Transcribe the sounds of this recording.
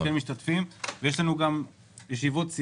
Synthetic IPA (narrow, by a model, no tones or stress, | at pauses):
elmiʃt̪at̪fimvejeʃ̬lanuɡam | jeʃivotsi